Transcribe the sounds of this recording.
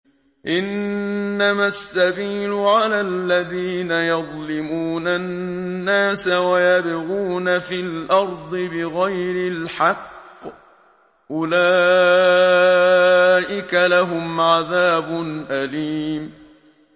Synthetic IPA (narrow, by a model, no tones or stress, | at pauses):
ʔɪnː | amasːabiːlʊʕalaːlːaðiːnajɑðˤlɪmuːnanːaːsawajabɪɣuːnafilʔɑɾˤd̪ˤɨbɪɣajɾɪlħɑqː | ʔʊlaː | ʔɪkalaɦʊmʕaðaːbʊnʔaliːm